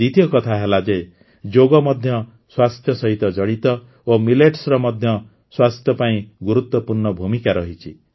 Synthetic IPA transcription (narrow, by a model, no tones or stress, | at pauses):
it̪jɔkɔt̪ʰaɦelad͡ʒe | d͡ʒoɡɔmɔd̪ʱjɔ | swast̪ʰjɔsɔɦit̪ɔd͡ʒɔɽit̪ɔ | omileʈsɾɔmɔd̪ʱjɔ | swast̪ʰjɔpaĩɡuɾut̪wɔpuɾɳɔbʱumikaɾɔɦit͡ʃʰi